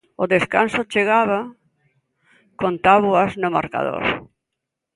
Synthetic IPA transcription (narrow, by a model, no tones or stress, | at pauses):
ʊðeskansot͡ʃeɣaβa | kont̪aβuaznʊma̰ɾka̰ðo̰ɾ